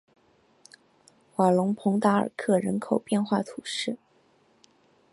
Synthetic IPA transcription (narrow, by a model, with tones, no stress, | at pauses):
xwa˨˩lʊ˧˥ŋpʰʊ˧˥ŋt̪a˧˥ə̰˞˨˩kʰɤ˥˩ɻə˧˥nkʰo˨˩ʊpjɛ˥˧nxwa˥˩t̪ʰu˨˩ʂɻ̩˥˩